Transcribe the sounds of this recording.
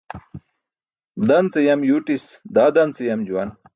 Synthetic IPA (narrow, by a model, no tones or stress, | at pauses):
d̪ɐnt͡sejɐmjuʈisd̪aːd̪ɐnt͡sejɐmd͡ʑuwɐn